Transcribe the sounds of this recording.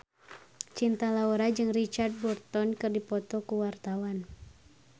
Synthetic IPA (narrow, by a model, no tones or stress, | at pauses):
t͡ʃint̪alaɔɾad͡ʒɨŋrit͡ʃard̚bɔrt̪ɔnkɨrdipɔt̪ɔkuwart̪awan